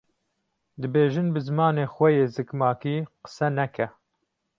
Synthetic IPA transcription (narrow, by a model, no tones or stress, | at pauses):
d̪ɨbeːʒɨnbɨzɨmɑːneːxʷɛjeːzɨkmɑːkiːqə̥sɛnɛkɛ